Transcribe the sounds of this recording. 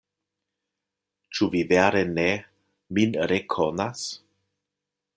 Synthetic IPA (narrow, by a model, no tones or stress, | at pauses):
t͡ʃuviveaɾene | minɾekʰonas